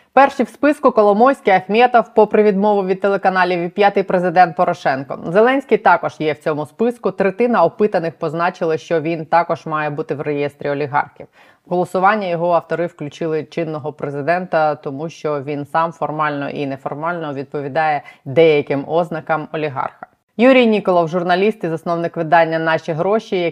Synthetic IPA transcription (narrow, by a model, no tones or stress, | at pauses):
pɛrʃiwspɪskʊkɔlˠɔmɔwʲsʲkɪjɐxmʲɛt̪ɔwpɔpɾɪʋʲid̪mɔʋʊʋʲid̪̚t̪elˠekɐnɑlʲiʋʲipʲjat̪ɪjpɾezɪd̪ɛnt̪̚pɔɾɔʃɛnkɔ̰zelˠɛnʲsʲkijt̪ɑkɔʒjɛwt͡sʲɔmʊspɪskʊt̪ɾet̪ɪnɐɔpɪt̪ɐnɪxpɔznɑt͡ʃɪlˠɪʃt͡ʃɔʋʲint̪ɑkɔʒmɑjɛbut̪ɪwrejɛst̪ɾʲiɔlʲiɦɑ̰rxʲiw | ɦɔlˠɔsʊʋɑnʲːɐjɔɦɔɐwt̪ɔɾɪwklʲʉt͡ʃɪlˠɪt͡ʃɪnːɔɦɔpɾezɪd̪ɛnt̪ɐt̪ɔmuʃt͡ʃɔʋʲinsɑmfɔrmɑlʲnɔ̰ʔinɛfɔrmɑlʲnɔʋʲid̪̚pɔʋʲid̪ɑjɛd̪ɛjɐkɪmɔznɐkɐmɔlʲiɦɑ̰rxɐ | juɾʲijnʲikɔlˠɐwʒʊrnɐlʲist̪ɪzɐsnɔwnɪkʋɪd̪ɑnʲːɐnɑʃiɦɾɔʃijɐ